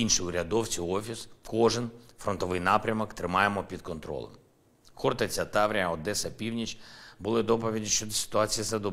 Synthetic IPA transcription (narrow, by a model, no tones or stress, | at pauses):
inʃiʊɾʲɐd̪ɔwt͡sʲiɔfʲiskɔʒɪnfɾɔnt̪ɔʋɪjnɑpɾʲɐmɔkt̪ɾɪmɑjemɔpʲid̪kɔnt̪ɾɔ̰lˠɐ̰m | xɔrt̪ɐt͡sʲɐt̪ɑʋɾʲiɐɔd̪ɛsɐpʲiwnʲit͡ʃbʊlˠɪd̪ɔp̬ɔʋʲidʲiʃt͡ʃɔd̪ɔsɪ̥t̪ʊɑt͡sʲijizɐd̪ɔ